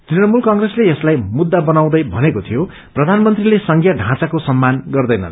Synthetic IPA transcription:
t̪rinʌmulkʌŋɡresleeslajmud̪ːabʌnaw̃d̪ʌjbʱʌnekot̪ʰijo | prʌd̪ʱanmʌnt̪rilesʌŋɡʱjʌɖʱãt͡sakosʌmːanɡʌrd̪ʌjnʌ̰n

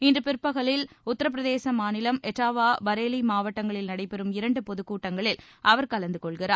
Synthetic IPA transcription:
ɪndrɯpɪrpːɐɣɐɭɪl | ʊt̪ːɐɾɐp̬ɪɾɐðeːsɐmaːnɪlɐmɛʈːaːʋaːbɐɾeːlimaːʋɐʈːɐŋɡɐɭɪlnɐɽɐɪpɛɾɯmɪɾɐɳɖɯpɔðɯkːuːʈːɐŋɡɐɭɪlʔɐʋɐɾkɐlɐnd̪ɯkɔɭɣɪraː

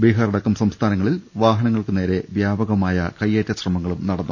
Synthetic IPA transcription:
beːɦaːɾɐɽɐkːɐmsɐmst̪ʰaːnɐŋːɐɭilʋaːɦɐnɐŋːɐɭkɨne̞ːɾe̞ʋjaːbɐɣɐmaːjɐkɐjːeːtːɐɕrɐmɐŋːɐɭumnɐɽɐnːu

